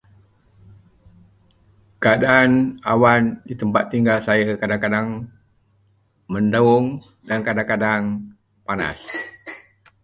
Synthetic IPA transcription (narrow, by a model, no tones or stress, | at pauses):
kəadaanawandit̪əmpat̪ːiŋɡalsajakadaŋkadaŋ | məndauŋ | dankadaŋkadaŋ | pana̰s